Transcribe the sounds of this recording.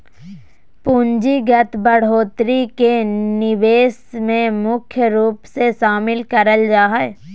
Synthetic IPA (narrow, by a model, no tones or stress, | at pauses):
pũɲd͡ʒiɡɐt̪bəɽ̤oːt̪ɾikenɪʋeːsmẽmʊkʰjəɾuːpseʃaːmɪlkɐɾəld͡ʒaːɦɛː